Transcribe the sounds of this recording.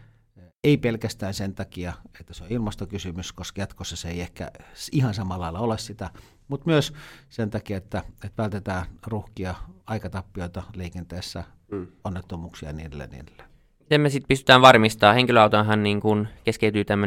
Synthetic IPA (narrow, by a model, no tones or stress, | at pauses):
eipelkæst̪æːnsent̪ɑkiɑet̪ːæseoilmɑst̪okysymyskoskɑjɑt̪kosːɑseiehkæ̰ihɑnsɑmɑlːɑilːɑolessit̪æ | mut̪myøssent̪ɑkiɑet̪ːæet̪ʋælt̪et̪æːnruhkiɑɑikɑt̪ɑpːioit̪ɑleikent̪eːsːæ | onːet̪ːomuːksiɑ̰nḭːdḛlːḛnḭːdelːe̥ | it̪emmesit̪̚pyst̪y̥t̪æːʋʋɑrmist̪ɑːheŋkiløɑˑut̪onɦɑnniːŋkunkeskeyt̪yːt̪æmːø